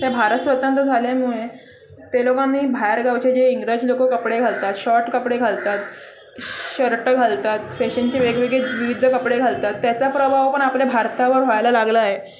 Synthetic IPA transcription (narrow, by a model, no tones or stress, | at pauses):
t̪ebʱaɾət̪sʋət̪ãnt̪əd͡zʱaljamuɭe | t̪elokanɦiːbʱajɾɡawt͡ɕed͡ʑeiŋɡɾed͡ʑlokokəpɽeɡʱalt̪at̪ɕɔɾʈkəpɽeɡʱalt̪at̪ | ɕəɾʈəɡʱalt̪at̪feɕənt͡ɕeʋeɡʋeɡeʋiʋid̪ʱːəkəpɽeɡʱalt̪at̪ːjat͡sapɾəbʱaʋpəɳapljabʱaɾt̪aʋəɾɦojajlalaɡlaːɦe